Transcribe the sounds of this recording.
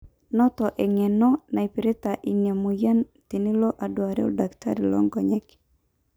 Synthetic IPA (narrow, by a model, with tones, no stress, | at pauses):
nɔ˦t̪ɔ˨ʔɛ˨ŋɛ˨nɔ˦na˨i˨pi˨ɾe˦t̪aʔi˨nja˨muja˦nt̪i˨ni˦lo˦ʔa˨dwa˨ɾɛ˦ɔ̰dakta̰˦ɾi˨lɔ̰˦ŋɡɔɲɛ˦k